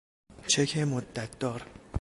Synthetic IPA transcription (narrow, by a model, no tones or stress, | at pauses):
t͡ʃʰekʰemod̪ːæt̪̚ʰd̪ɒːɾ